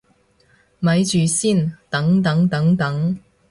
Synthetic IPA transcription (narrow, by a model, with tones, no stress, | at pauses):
mɐ˨˧˥jt͡ʃyː˨siː˥˩nt̪ɐ˨˥ŋt̪ɐ˨˥ŋt̪ɐ˨˥ŋt̪ɐ˨˥ŋ